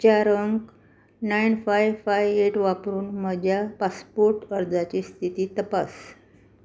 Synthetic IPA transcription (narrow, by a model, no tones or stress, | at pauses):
t͡ɕaɾəŋk | najnfajfajʋeʈʋapɾuːnməd͡ʑʱjapaspoɾʈəɾd͡zat͡ɕiːst̪ʰit̪iːt̪əpas